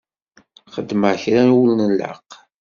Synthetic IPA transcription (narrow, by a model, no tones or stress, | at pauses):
χəd̪ːməʕçɾanwulnələ̰q